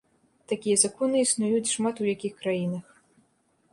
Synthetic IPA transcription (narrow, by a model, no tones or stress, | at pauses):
t̪akʲijɛzakɔnɨisnujut͡sʲʂmat̪ujakʲixkɾajinɐx